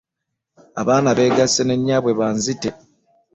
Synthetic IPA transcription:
a̰βaːnaβe̞ːɡasene̞ɲːaːβwe̞βaːnzite

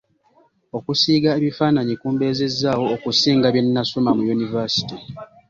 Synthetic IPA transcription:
o̞kusiːɡaeβifaːnaɲikuːmbe̞ːze̞zːaːwo̞ːkusiːŋɡaβje̞nːasomamujunivasi̥ti

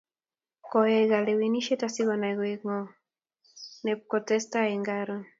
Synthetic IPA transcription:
kɔɛɣalewiniʃetasiɣɔnaɣeŋɔ | nɛp̚kɔtɛstaɛŋɡaɾɔn

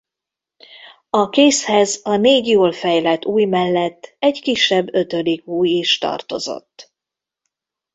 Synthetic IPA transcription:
ɒkeːshɛzɒneːɟjoːlfɛjlɛt̪ːuːjmɛlːɛt̪ːɛɟkiʃːɛbːø̞t̪ø̞likuːjiʃt̪ɒ̰rt̪o̞̰zo̞̰t̪ː

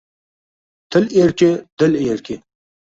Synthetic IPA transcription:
t̪ʰəleːɾked̪əleːɾke

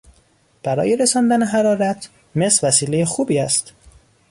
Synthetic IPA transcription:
b̥æɾɒ̰ːjeɾesɒːnd̪æne̞ɦæɾɒːɾæt̪ʰ | me̞svæsiːlejexuːbiːæst̪

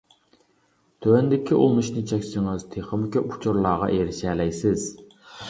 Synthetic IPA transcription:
t̪ʰøwɛnd̪ɪkʲʰiʔulˠmuʃnɪt͡ʃʰɛkʲsɪŋɨzt̪ʰeχəmkʲøpu̥t͡ʃʰuɾlˠɑːʁɑ̰ʔeɾɪʃɛːlɛjsɪz̥

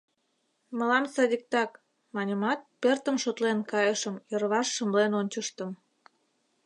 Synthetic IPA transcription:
mə̆lɑmsɑd̪ʲik̚t̪ɑk | mɑnʲəmɑt̪̚pert̪ə̆mʃot̪lenkɑjəʃəmjərβɑʃːə̆mlenonʲt͡ɕəʃt̪ə̆m

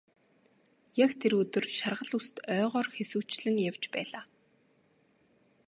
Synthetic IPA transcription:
jakt̪ʰeɾɵt̪ɵ̆rʃarʁə̆ɮust̪œːʁɔːrxesŭːt͡ɕɮɘ̆ŋjaw̥t͡ɕpæ̰ːɮaː

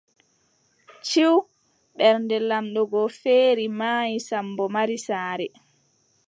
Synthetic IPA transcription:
t͡ʃiw | ɓɛɾndɛlamɗɔɡɔfeːɾimajisambɔmaɾisaːɾɛ

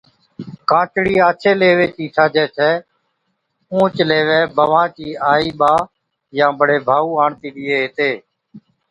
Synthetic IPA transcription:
kãːt͡ʃɽiːaːt͡ʃʰeːleːʋeːtiːtʰaːd͡ʒɛːtʰɛː | ũːt͡ʃleːʋeːbəʋãːt͡ʃiːaːiːɓaː | jãːbʱəɽeːbʱaːuːaːɳt̪iːɗɪːeːɦɪːt̪eː

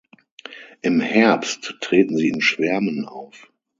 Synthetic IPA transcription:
ʔɪmhɛɐpsttʁ̥eːtn̩ziːɪnʃv̥ɛɐmənʔa̰ʊf

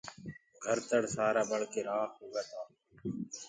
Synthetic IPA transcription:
ɡʱəɾt̪əɽsaːɾaːɓəɽkeːɾaːkɦoːɡaːt̪ʰaː

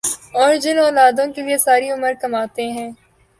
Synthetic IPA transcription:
ɔːɾd͡ʒɪnɔːlaːd̪õkeliesaːɾiʊməɾkɐmaːt̪eɦɛ̃ː

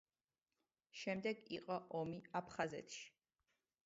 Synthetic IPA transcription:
ʃɛmd̪ɛɡiqʼɔʔɔmiapʰχazɛ̰t̪ʰʃi̥

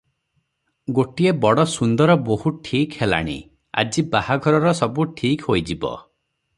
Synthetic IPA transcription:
ɡoʈiebɔɽɔsund̪ɔɾɔbohuʈʰikhela̰ɽ̃ḭ | a̰d͡ʒibahaɡʱɔɾɔɾɔsɔbuʈʰikhojd͡ʒibɔ̰

